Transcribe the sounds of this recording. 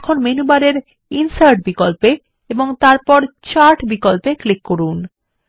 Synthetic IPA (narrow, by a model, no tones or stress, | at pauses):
kʰonmenubaɾeɾ | insaɾɖ̚bikolpe | eboŋt̪aɾpɔɾt͡ɕaɾʈbikolpeklikːoɾun